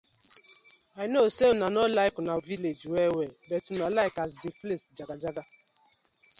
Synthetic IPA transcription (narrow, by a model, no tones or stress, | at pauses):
aɪnoseonanɔlaɪkʊnaoviled͡ʒwewebɛtunɔlaɪkazdiflesd͡ʒaɡad͡ʒaɡa